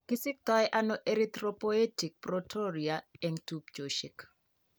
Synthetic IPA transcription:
kɪsɪk̚t̪ɔɛʔanɔʔeɾit̪ɾopoetik̚protʰoɾiaɛŋtup̚t͡ʃoʃɪk

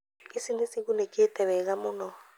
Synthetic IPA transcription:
isinisik̬unekʼiɛtʼɛβɛk̬amunɔ

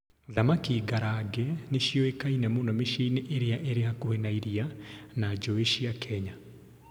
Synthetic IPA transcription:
oðamakiːɡaɾaɡɛneʃjɔekainɛmonɔmeʃiniʔeɾeaʔeɾeakohenaiɾianad͡ʒɔeʃiakʰɛɲa

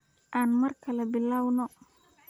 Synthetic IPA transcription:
ʔaːnmɐrkʰɐlɛbɪlaːwnɔ

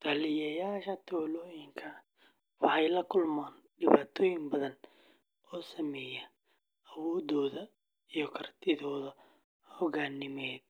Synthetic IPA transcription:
t̪ʰɐlɪjɐjaːʃɐt̪ʰɔːlɔːjɪŋkʰɐ | wɑħɑjlɐkʰʊlmaːnɖɪβaːt̪ʰɔːjɪŋbɐðɐn | ʔɔːsɐmɛːjɛ | ɐwɔːðɔːðɐ | ijɔkʰɐrt̪ʰɪðɔːðɐ | hɔɣaːnɪmɛːd̪̚

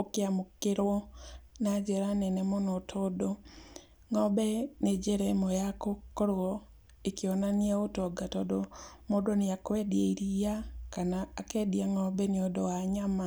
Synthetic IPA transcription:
okeamokeɾwɔnad͡ʒɛɾanɛnɛmonɔtʰɔdo | ŋɔbɛned͡ʒeɾɛmojakokoɾɔ | ekeɔnanaotɔɡatɔdomodoneakwɛdieiɾijakanaːkɛdiaŋɔbɛneodɔwaɲama

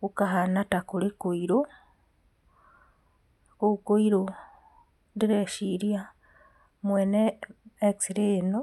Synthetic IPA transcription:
ukaɦanatakulikoiɾo | kukoiɾo | diɾeʃiɾja | mweneeksiɾeno

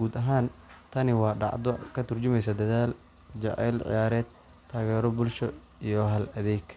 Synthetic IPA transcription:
ɡuːd̪ɐɦaːnt̪ʰɐnɪwɑːɖɑ̰ʕd̪ɔkʰɐt̪ʰʊrt͡ʃʊmɛjsɐd̪ɐðaːl | d͡ʒɑ̰ʔɛ̰ːlʕɪ̰jaːɾɛːd̪̚ | t̪ʰːaːɣɛːɾɔbʊlʃɔ | ijɔɦɐlɐðɛːɡ

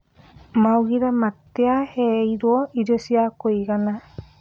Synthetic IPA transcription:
mawɡiɾamat̪ːeahɛjɾuɔid͡ʒɔsiakojɡana

